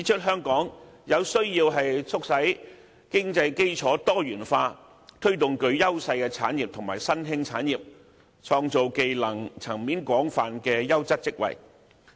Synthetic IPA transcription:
t͡siː˨˥t͡ʃʰɵ˥t̚ɦœː˥ŋkɔː˨˥ŋjɐ˨˧wsɵ˥ɥjiː˧wɦɐ˨jt͡sʰʊ˥k̚sɐ˨˥j | kɪ˥ŋt͡sɐ˧jke˥jt͡ʃʰɔː˨˥t̪ɔː˥jyː˨˩nfaː˧ | t̪ʰɵ˥ɥt̪ʊ˨ŋkɵ˨˧ɥjɐ˥wsɐ˧jkɛː˧t͡sʰaː˨˥njiː˨p̚t̪ʰʊ˨˩ŋmaː˨˩jsɐ˥nɦɪ˥ŋt͡sʰaː˨˥njiː˨p̚ | t͡ʃʰɔː˧ŋt͡so˨wke˨jlɐ˨˩ŋt͡sʰɐ˨˩ŋmiː˨˥nkʷɔː˨˥ŋfaː˨nkɛː˧jɐ˥wt͡sɐ˥t̚t͡sɪ˥k̚wɐ̰˨˩j

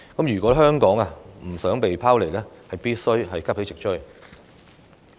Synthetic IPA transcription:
kɐ˨˥mjyː˨˩kʷɔː˨˥ɦœː˥ŋkɔː˨˥ŋɐ˧m̩˨˩sœː˨˥ŋpe˨jpʰaː˥wle˨˩jlɛː˥hɐ˨jpiː˥t̚sɵ˥ɥɦɐ˨jkɐ˥p̚he˨˥t͡sɪ˨k̚t͡ʃʰɵ˥j

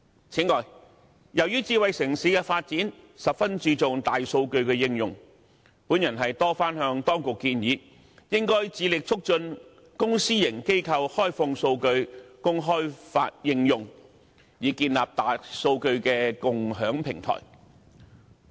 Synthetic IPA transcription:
t͡sʰiː˨˥ŋɔː˨˩j | jɐ˨˩wjyː˥t͡siː˧wɐ˨jsɪ˨˩ŋsiː˨˥kɛː˧faː˧t̚t͡siː˨˥nsɐ˨p̚fɐ˥nt͡ʃiː˧t͡sʊ˨ŋt̪aː˨jso˧wkɵ˧ɥkɛː˧jɪ˧ŋjʊ˨˩ŋ | puː˨˥njɐ˨˩nɦɐ˨jt̪ɔː˥faː˥nɦœː˧ŋt̪ɔː˥ŋkʊ˨kːiː˧njiː˨˥ | jɪ˥ŋkɔː˥jt͡siː˨˧lɪ˨k̚t͡sʰʊ˥k̚t͡ʃɵ˧n | kʊ˥ŋsiː˥jɪ˨˩ŋke˥jkʰɐ˧whɔː˥jfʊ˧ŋso˧wkɵ˧ɥkʊ˥ŋɦɔː˥jfa̰ː˧t̚jɪ˧ŋjʊ˨ŋ | jiː˨˧kiː˧nlaː˨p̚t̪aː˨so˧wkɵ˧ɥkɛː˧kʊ˨ŋɦœː˨˥ŋpʰɪ̰˨˩ŋt̪ʰɔ̰ː˨˩j

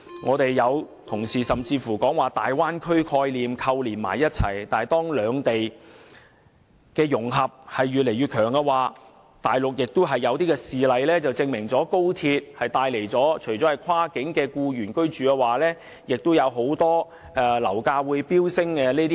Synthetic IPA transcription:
ŋʔɔː˨˧t̪e˨jːɐ˨˧w | t̪ʰʊ˨˩ŋsiː˨˩sɐ˨mt͡siː˧fuː˨˩kɔː˨˥ŋwaː˨˩t̪aː˨jwaː˥nkʰɵ˥ɥkʰɔː˧jliː˨mkʰɐ˧wliː˨˩nma̰ː˨˩jːɐ˥t̚t͡sʰɐ̰˨˩jt̪aː˨jt̪ɔː˥ŋlœː˨˧ŋt̪e˨j | kɛː˧jʊ˨˩ŋɦɐ˨p̚hɐ˨jːyː˨t̚le˨˩jɥyː˨t̚kʰœː˨˩ŋkɛ˧waː˨ | t̪aː˨jlʊ˨k̚jɪ˨k̚t̪ʊ˥wɦɐ˨jːɐ˨˧wt̪iː˥kɛː˧siː˨lɐ˨˧jlɛː˥t͡sɐ˨wt͡sɪ˧ŋmɪ˨˩ŋt͡sɔː˨˥ko˥wt̪ʰiː˧t̚hɐ˨jt̪aː˧jle˨˩jt͡sɔː˨˥t͡ʃʰɵ˨˩jt͡sɔ˨˥hɐ˨˩jkʰwaː˥kɪ˨˥ŋkɛː˧kuː˧jyː˨˩nkɵ˥ɥt͡ʃyː˨˥kɛ˧waː˨lɛː˥ | jɪ˨k̚t̪ʊ˥wjɐ˨˧wɦo˨˥wt̪ɔː˥ | ʔɛ˧lɐ̰˨˩wkaː˧wuː˨˧jpiː˥wsɪ˥ŋkɛ˧ne˥t̪i˥

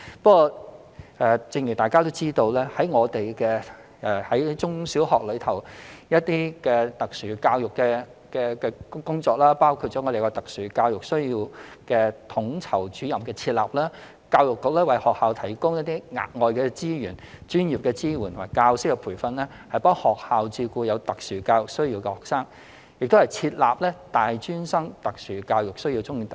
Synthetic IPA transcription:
pɐ˥kːɔː˧ | ɛ˨t͡sɪ˧ŋjy˨˩t̪aː˨jkaː˥t̪o˥wt͡siː˥t̪o˧wlɛː˥hɐ˨˥jŋɔː˨˧t̪e˨jkɛː˧ | ɛː˨˩hɐ˨˥jt͡sʊ˥ŋsiː˨˥whɔː˨k̚lɵ˨˧ɥt̪ʰɐ˨˩wjɐ˥t̚t̪iː˥kɛ˧t̪ɐ˨k̚syː˨˩kaː˧wjʊ˨kːɛː˧ | kɛː˧kɛ˧kʊ˥ŋt͡sɔː˧˥k̚laː˥paː˥wkʰu˧t̚t͡ʃɔː˨˥ŋɔː˨˧te˨˩kɔː˧t̪ɐ˨k̚syː˨˩kaː˧wjʊ˨k̚sɵ˥ɥjiː˧wkɛː˧t̪ʰʊ˨˥ŋt͡sʰɐ˨˩wt͡ʃyː˨˥jɐ˨˩mkɛː˧t͡sʰiː˧t̚laː˨p̚laː˥ | kaː˧wjʊ˨kːʊ˨k̚lɛː˥wɐ˨˩jhɔː˨k̚haː˨˧wt̪ʰɐ˨˩jkʊ˥ŋjɐ˥t̪iː˥ŋa̰ː˨t̚ŋɔː˨jkɛː˧t͡siː˥jyː˨˩nt͡ʃyː˥njiː˨p̚kɛ˧t͡siː˥wu˨˩nt̪ʰmaː˨˩jkaː˧wsɪ˥kːɛ˧pʰuː˨˩fɐ˧nlɛː˥ | hɐ˨jpɐ˥ŋhɔː˨˩k̚haː˨wt͡siː˧kuː˧jɐ˨˧wt̪ɐ˨k̚syː˨˩kaː˧wjʊ˨k̚sɵ˥ɥji˧wkɛ˧hɔː˨k̚saː˥ŋ | jɪ˨k̚t̪o˥whɐ˨jt͡sʰiː˧t̚laː˨p̚lɛː˥t̪aː˨jt͡ʃyː˥nsɐ˥ŋt̪ɐ˨k̚syː˨˩kaː˧wjʊ˨k̚sɵ˥ɥjiː˧t͡sʊ˥ŋjiː˧t̪

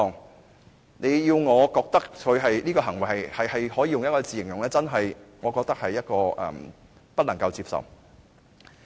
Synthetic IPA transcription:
ɔː˨ŋ | ne˨˧jjiː˧wŋɔː˨˧kɔː˧k̚t̪ɐ˥k̚kʰɵ˨˧ɥɦɐ˨jliː˥kɔː˧ɦɐ˨˩ŋwɐ˨˩jhɐ˨jhɐ˨jhɐ˨jɦɔː˨˥jiː˧jʊ˨ŋjɐ˥t̚kɔː˧t͡siː˨jɪ˨˩ŋjʊ˨ŋlɛː˥t͡sɐ˥nɦɐ˨jŋɔː˨˧kɔː˧k̚t̪ɐ˥k̚hɐ˨jːɐ˥t̚kɔː˧ʔɛ̰˨m | pɐ˥t̚lɐ˨˩ŋkɐ˧wt͡siː˧p̚sɐ̰˨w

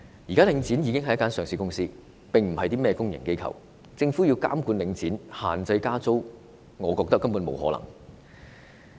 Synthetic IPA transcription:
jiː˨˩kaː˥lɪ˨˧˥ŋt͡siː˨˥njiː˨˧kɪ˥ŋɦɐ˨jɐ˥kaː˥nsœː˨ŋsiː˧kʊ˥ŋsiː˥ | pɪ˨˩ŋm̩˨˩hɐ˨jt̪iː˥mɛː˥kʊ˥ŋjɪ˨˩ŋke˥jkʰɐ̰˨˩w | t͡sɪ˧ŋfu˨˥jiː˧wka̰ː˥mkuː˨˧nlɪ˨˧˥ŋt͡siː˨˥nha̰ː˨˩nt͡sɐ˧jkaː˥t͡so˥w | ŋɔː˨˧kɔː˧k̚t̪ɐ˥kːɐ˥mpuː˨˥nmo̰˨˧˥wɦɔ̰ː˨˥lɐ̰˨˩ŋ

